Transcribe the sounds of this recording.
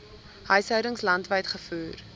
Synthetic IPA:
hœɥsɦœɥɾəŋslɐntvəjtχəfʉːr

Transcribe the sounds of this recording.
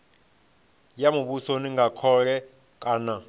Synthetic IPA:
jamuɓusoniŋɡakʰɔɺɛ | kʼaːna

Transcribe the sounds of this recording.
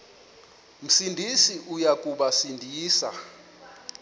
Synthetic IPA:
m̩sindʱisiʔujak̬ʼuɓasindʱiːsa̰

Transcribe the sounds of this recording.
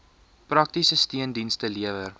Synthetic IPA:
prɐk̚tisəstiəndinstəliəvər

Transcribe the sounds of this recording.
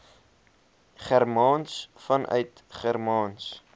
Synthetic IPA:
χærmɑːnsfɐnʔœ̰ɥt | χærmɑːns

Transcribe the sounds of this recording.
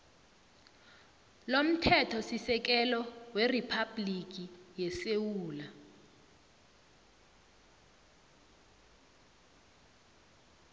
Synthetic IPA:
lom̩tʰɛtʰɔsisɛk̬ɛlɔweripʰablik̬ijɛsewuːla

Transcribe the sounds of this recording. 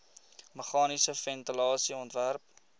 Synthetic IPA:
məχɑːnisəfɛntəlɑːsiɔntværp̚

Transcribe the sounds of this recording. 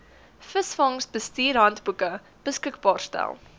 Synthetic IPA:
fəsfɐŋsbəstiːrɦɐntbukə | b̥əskəkbɑːrstæ̰lˠ

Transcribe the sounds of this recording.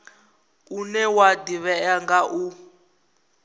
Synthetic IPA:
unɛwadiβɛaŋɡaʔu

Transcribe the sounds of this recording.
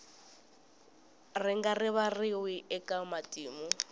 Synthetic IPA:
rɪŋɡarɪβarɪwiɛkʼamatʼiːmʊ

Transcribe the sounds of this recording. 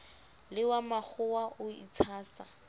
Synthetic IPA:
lɪwamak͡xʰʊwaʔʊit͡sʰaːsa

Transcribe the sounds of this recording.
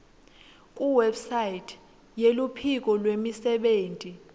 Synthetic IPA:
kʼuwɛbsajitʰ | jelupʰik̬ʼɔlwemisɛɓeːntʼi

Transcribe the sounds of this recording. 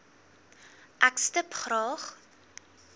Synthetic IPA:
ʔækstəpχrɑːχ

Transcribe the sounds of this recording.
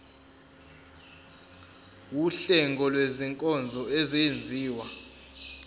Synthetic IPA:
wuɬɛŋɡʱɔlweziŋkʼɔnd͡zʱɔeziend͡zʱiːwa

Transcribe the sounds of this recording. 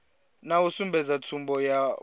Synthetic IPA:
nawusumbʱɛzatʰumbʱɔja

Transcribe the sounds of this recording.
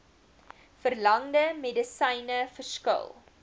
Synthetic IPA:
fərlɐŋdəmedəsəjnəfərskə̰lˠ

